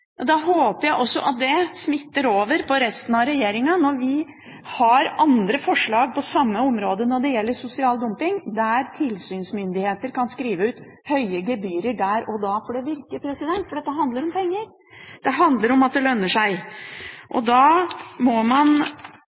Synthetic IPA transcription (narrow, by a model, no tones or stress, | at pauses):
ɑd̪ɑɦoːpəjæɪʔɔsːɔ̰ʔɑt̪̚d̪ɛsmɪt̪ːəɾoːʋəɾpʰɔɾɛst̪ənɑɾɛjeːɾɪŋɑnɔɾʋɪ | hɑɾɑnd̪ɾəfɔʂɭɑːɡ̚pʰɔsɑmːəɔmɾoːd̪ənɔɖɛjɛlːəsʊsɪɑːld̪ʊmpɪŋd̪æɾt̪ʰɪlsyːnsmʏnd̪ɪheːt̪əɾkʰɑnskɾiːʋəʉːt̪ | hœʏəɡɛbyːɾəɖæɾɔd̪ɑːfɔɖɛʋɪɾkəpʰɾɛsɪd̪ɛnt̪fɔɖɛt̪ːəɦɑnd̪ləɾɔmpɛŋːəɾ | d̪̥ɛɦɑnd̪ləɾɔmɑt̪̚d̪ɛlœnːəʂæɪ | ʔɔ̰d̪ɑːmɔmɑn